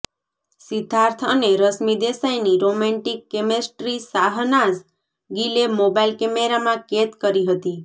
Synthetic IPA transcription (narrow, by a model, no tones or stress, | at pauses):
sid̪ʱaɾt̪ʰəneɾəsmid̪esajniɾomɛ̃ɳʈikːemesʈɾisaɦnas | ɡilemobailkemeɾamãket̪kəɾiɦət̪i